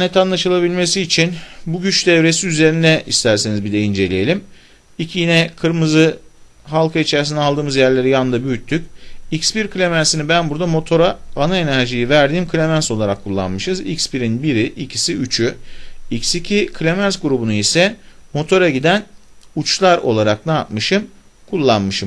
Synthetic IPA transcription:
nɛt̪ʰanlˠaʃɯlˠabilʲme̞siːt͡ʃʰinbuɟyt͡ʃd̪ɛvɾe̞siyze̞ɾind̪ɛʔist̪ʰæɾsenizbid̪ɛind͡ʒe̞lʲijelʲim | icʰjinɛkʰɯɾmɯzɯ | ɦalˠkʰait͡ʃʰæɾs̬inalˠd̪ɯːmɯzjæɾlʲe̞ɾijanɯnd̪abyyt̪ʰːycʲicspiɾkʰɯlʲemænsinibænbuɾd̪amo̞t̪ʰo̞ɾaanae̞næɾʒijivæɾd̪iːmkʰɯlʲemænso̞lˠaɾakʰːulˠːa̰nmɯʃɯzḭcspiɾinbiɾiʔicʰi̥siyt͡ʃʰyicsicʰikʰlʲemænsɡuɾubunuisɛmo̞t̪ʰo̞ɾaɟid̪æn | ut͡ʃlˠaɾo̞̰lˠaɾak̚naːt̪mɯʃɯm | kʰulˠːanmɯʃɯm

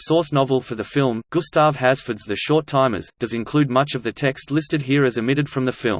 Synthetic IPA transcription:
sɔɹsnɑvl̩ˠfə˞ðɨfɪlˠmɡ̥ʊstɑv̥hæz̥fə˞dzðɨʃɔɹtʰãɪ̃mɨ̰zd̥ʌzɨ̃nkʰl̥ʉd̚mʌt͡ʃʌvðɨtʰɛkstˡlɪstɨd̚ɦiɹɨzɨmɪɾɨd̥fɹʌ̃mðɨfɪlˠm

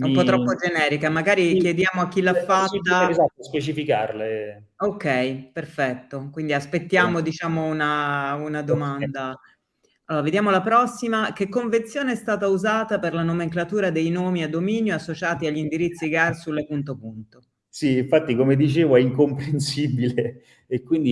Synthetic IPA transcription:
ɛumpɔt̪ːɾɔpːod͡ʒenɛːɾikamaɡaːɾikjed̪jaːmoakːilafːat̪ːazat̪ːospet͡ʃifikarle | okɛjperfɛt̪ːokwind̪iaspet̪ːjaːmod̪it͡ʃaːmounaunad̪omand̪a | aloːɾaved̪jaːmolapɾɔsːimak̟ekːoɱvent̪sjoːneɛst̪aːt̪auzaːt̪aperlanomeŋklat̪uːɾad̪ejnoːmiad̪ːomiːnjoasːot͡ʃaːt̪iaʎːind̪iɾit̪sːiɡarsulːepunt̪opunt̪o | siːɱfat̪ːikomed̪it͡ʃeːvoɛiŋkompɾensibileː | kːwind̪i

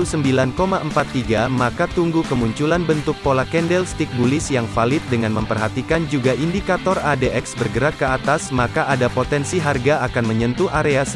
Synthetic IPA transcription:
usəmbilankomaʔəmpat̪ːiɡamakat̪uŋɡukəmuɲt͡ʃulanbənt̪ʊk̚polakɛndɛlst̪ik̚bulɪsjaŋfalɪt̪̚dəŋanməmpərɦat̪ikand͡ʒuɡaʔindikat̪ɔradeʔɛk̚sbərɡəɾak̪̚kəat̪asmakaʔadapot̪ɛnsiɦarɡaakanməɲənt̪uʔaɾeas

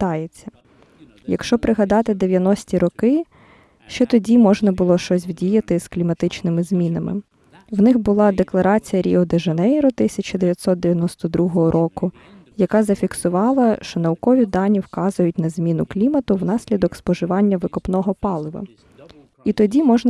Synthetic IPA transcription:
t̪ɑjet͡sʲːɐ̥ | jɐkʃt͡ʃɔpɾɪɦɐd̪ɑt̪ɪd̪eʋʲjɐnɔsʲtʲiɾɔkɪ | ʃt͡ʃɛt̪ɔdʲimɔʒnɐbʊlˠɔʃt͡ʃɔsʲwdʲijɐt̪ɪsklʲimɐt̪ɪt͡ʃnɪmɪzʲmʲinɐmɪ̰ | wnɪxbʊlˠɑd̪eklˠɐɾɑt͡sʲijɐɾʲiɔd̪eʒɐnɛjɾɔt̪ɪsʲɐt͡ʃɐd̪eʋʲjɐt̪ʲsɔt̪̚d̪eʋʲjɐnɔst̪ɔd̪ɾuɦɔɦɔɾʔɔkʊ | jɐkɑzɐfʲiksʊʋɑlˠɐʃt͡ʃɔnɐʊkɔʋʲid̪ɑnʲiwkɑzʊjʊtʲn̪ɐzʲmʲinʊklʲimɐt̪ʊwnɑsʲlʲid̪ɔkspɔʒɪʋɑnʲːɐʋɪkɔpnɔɦɔpɑlˠɪʋɐ̰ | it̪ɔdʲimɔʒnɐ

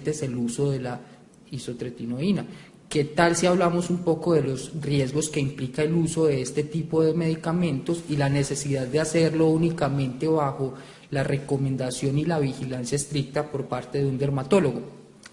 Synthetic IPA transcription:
t̪ese̞luso̞ðe̞la | iso̞t̪ɾet̪ino̞ina | ke̞t̪alsiaβlamo̞sumpo̞ko̞ðe̞lo̞srje̞zɡo̞ske̞implikae̞luso̞ðe̞est̪e̞t̪ipo̞ðe̞me̞ðikamẽ̞nt̪o̞silane̞se̞siðaðd̪ease̞ɾlo̞unikamẽ̞nt̪e̞βaxo̞ | lare̞ko̞mẽ̞nd̪asjo̞nilaβixilansjaest̪ɾik̚t̪apo̞ɾpaɾt̪e̞ðeund̪e̞ɾmat̪o̞lo̞ɣo̞

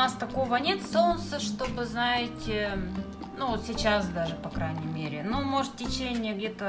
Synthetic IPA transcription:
ast̪ɐko̞vənʲe̞t̪so̞nt̪səʂt̪o̞bɨznaɪtʲɪ | nuot̪sʲɪt͡ɕasd̪aʐɨpɐkɾajnʲɪmʲeɾʲɪnomo̞ʐt̪tʲɪt͡ɕenʲɪjəɡdʲet̪ə

